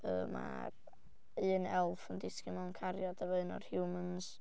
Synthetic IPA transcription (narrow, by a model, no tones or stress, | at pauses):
ə̰ːma̰ | ɨːnɛlˠfəndɪskɪmankʰaɾjɔdawɛðnɔ̰rhjuməns